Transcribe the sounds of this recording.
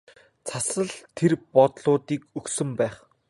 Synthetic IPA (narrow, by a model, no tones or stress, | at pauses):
t͡sʰasə̆ɮt̪ʰerpɔt̪ɮʊːt̪iːkɵksɵ̆mpæːχ